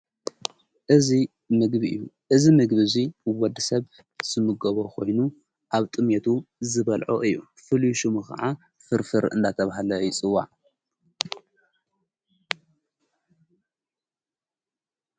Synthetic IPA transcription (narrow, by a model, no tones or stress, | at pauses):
ʔɨzi | mɨɡbiʔɨ̰jːuʔɨzimɨɡbɨziwɔd̪ːɨsɐβ | z̥ɨmɨɡɐβokʰo̞jnu | ʔaβt̪ʼɨmet̪ʰuzɨβɐlʕo̰ʔɨjːṵ | fɨljʃɨmɨkʰɐ̰ʕa | fɨɾfɨɾɨ̰nd̪at̪ʰɐβaɦalɐjɪt͡sʼɨwːa̰ʕ